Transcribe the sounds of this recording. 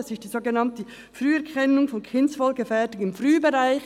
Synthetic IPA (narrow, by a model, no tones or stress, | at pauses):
ɑsɪstd̥iːzoːɡənɑntə | fryːɛɐkʰɛnʊŋfɔnkʰɪnsfɔlɡəfɛɐtɪɡŋɪmfʁyːbeʁaɪç